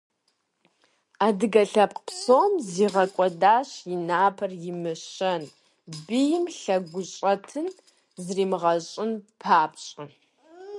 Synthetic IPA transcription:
aːdɨɡɐɬɐpqpsoːmziːʁɐkʷʼɔdaːɕjɪnaːpʰɐrjɪmɨɕɐn | bijɪmɬɐɡʷʊɕʼɐtʰɨn | zriːmɨʁɐɕʼɪnpʰaːpɕʼɐ

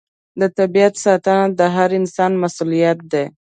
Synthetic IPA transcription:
d̪ət̪abiat̪sɑt̪ənad̪əɦaɾɪnsɑnmasulijat̪̚d̪e

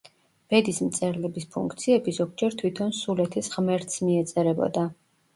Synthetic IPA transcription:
b̥ɛd̪ismt̪sʼɛɾlɛbispʰṵŋkʰt̪sʰiɛbizɔɡ̚d͡ʒɛɾt̪ʰwit̪ʰɔnsulɛt̪ʰisʁmɛɾt̪ʰsmiɛt̪sʼɛɾɛbɔ̰d̪a

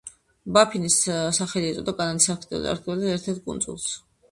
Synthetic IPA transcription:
bapʰinissaχɛliɛt̪sʼɔd̪aɡʼananisakʰt̪ʼɛ̰za̰ɾt̪kʰiɛlaɛɾt̪ʰɛɾt̪̚kʼṵnzʼṵlˠs

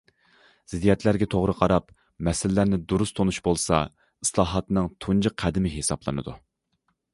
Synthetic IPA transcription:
z̥ɪd̪ijɛt̪ʰlæɾɡʲɛt̪ʰoʁɾəqʰɑɾɑp | mɛsɪlːæɾnɪd̪uɾust̪ʰonuʃbolˠsɑ̰ | i̥slˠɑːɦɑt̪nɨŋt̪ʰund͡ʒɨqʰːæd̪ɪmɪɦesɑblˠɨ̰nɨ̰d̪u

